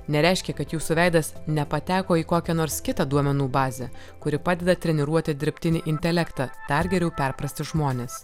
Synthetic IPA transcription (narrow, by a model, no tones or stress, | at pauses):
nʲɛɾʲɛˑɪʃʲkʲɛkɐt̪juːsʊʋʲɛɪd̪ɐsnʲɛpɐt̪ʲæːkoːiːkoːkʲɛnoːɾskʲɪt̪ɑd̪uɔmʲɛnuːbɑːzʲɛ | kʊɾʲɪpɑːd̪ʲɛd̪ɐt̪ʲɾʲɛnʲɛɾuɔt̪ʲɪd̪ʲɪɾʲpʲt̪ʲɪnʲɪʔɪnʲt̪ʲɛlʲɛkt̪ɑːd̪̥ɐɾɡʲɛɾʲɛʊpʲɛɾpɾɐsʲt̪ʲɪʒmoːnʲeːs